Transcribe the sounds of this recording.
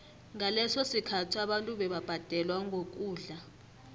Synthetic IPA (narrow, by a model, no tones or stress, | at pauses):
ŋalɛsosikʰatʰuaɓantʼuɓɛɓab̥ʱad̥ʱɛlwaŋʱok̬ʼuːɮa